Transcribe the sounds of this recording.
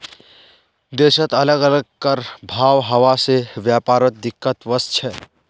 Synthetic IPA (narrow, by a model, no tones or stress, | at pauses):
d̪esət̪ələɡələɡkəɾbʱawɦəwasebjapaɾət̪̚d̪ikːət̪ʋəst͡ʃʰɛ